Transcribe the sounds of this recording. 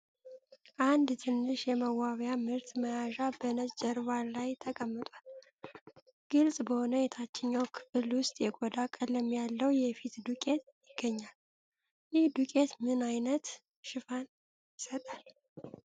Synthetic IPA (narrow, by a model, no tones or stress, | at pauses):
ʔand̪t̪ʰɨnːɨʃjɛməwaβjamɨɾt̪məjaʒabənəsd͡ʒəɾβalajt̪ʰəkʼəmːɨt̪ʼwal | ɡ̥ɨlsʼbəho̞nəjɛt̪ʰat͡ʃːɪɲːawkʰɨ̥fɨlwʊst̪ʼjɛɡod̪akʼələmjalːəwjɛfit̪d̪ukʼe̞t̪jɪɡ̥ːəɲːal | jɪhd̪ukʼe̞t̪mɨnajnət̪ | ʃɪfan | jɪsət̪ʼal